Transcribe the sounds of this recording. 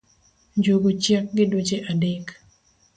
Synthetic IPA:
ɲd͡ʒoɡot͡ʃjak̚ɡɪdot͡ʃeʔadɪk

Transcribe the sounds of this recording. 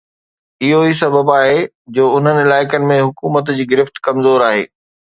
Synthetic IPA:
ɪɦois̬ɐbʱəbaːɦe | d͡ʑoːʊn̤ənɪ̆ɪlaːɪkənɪ̆mẽɦʊkuːmət̪̬d͡ʑiːɡɪɾɪft̪kɐmzoːɾaːɦḛː

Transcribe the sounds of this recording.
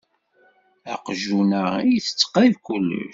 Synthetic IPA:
æ̰qʒunəijθə̥t͡sːqːaðkulːə̰ʃ

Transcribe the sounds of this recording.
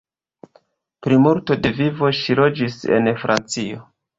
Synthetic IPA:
pɾimuɾto̞de̞vivo̞ʃilo̞d͡ʒise̞̰nfɾʔa̰nt͡sio̞

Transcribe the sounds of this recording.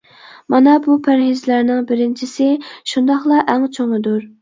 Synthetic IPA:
mɑnɑbupʰæɾɦɪzlæɾnɪŋbɪɾɪnt͡ʃʰisɪʃund̪ɑχlˠɑʔæŋt͡ʃʰoŋɨd̪uɾ

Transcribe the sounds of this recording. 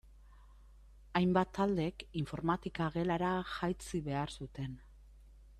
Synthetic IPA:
ajmbat̪ːald̪e̞kiɱfo̞ɾmat̪ikaɣe̞laɾaʝajt͡siβe̞aɾsut̪e̞n

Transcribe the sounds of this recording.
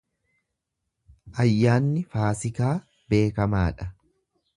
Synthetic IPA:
ʔɐjːaːnːɪfaːsɪkaː | be̞ːkɐmaːᶑɐ

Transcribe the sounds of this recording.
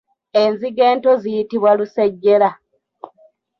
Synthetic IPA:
e̞nziɡe̞ːnto̞zijitiβwaluseɟːe̞la

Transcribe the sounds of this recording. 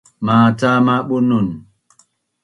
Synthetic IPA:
maːtamaɓonun

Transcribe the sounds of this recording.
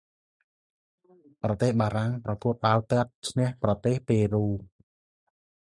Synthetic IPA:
prɑt̪eːhɓaːɾaŋprɑkuət̪̚ɓaəwt̪ə̆ət̪̚t͡ɕʰnɛ̆əhprɑt̪eːhpeːruː

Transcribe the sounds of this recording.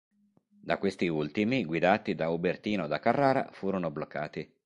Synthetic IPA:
d̪akːwest̪iult̪imiɡwid̪aːt̪id̪aubert̪iːnod̪akːarːaːɾa̰fuːɾonoblokːaːt̪i

